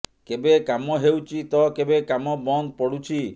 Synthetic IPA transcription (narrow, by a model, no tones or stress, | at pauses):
kebekamɔɦewt͡ʃʰit̪ɔkebekamɔbɔnd̪̚pɔɽut͡ʃʰi